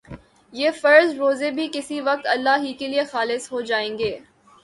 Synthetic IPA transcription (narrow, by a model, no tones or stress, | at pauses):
jeːfɐɾzɾoːzebʱikɪsiʋɐq̚t̪ɐlːaɦikeliexaːlɪsɦod͡ʒaːẽːŋɡeː